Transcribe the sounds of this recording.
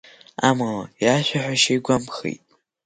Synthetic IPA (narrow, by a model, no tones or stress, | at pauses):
a̰malajaʃʷᶣaħʷᶣaʃejɡʷamχḭjtʼ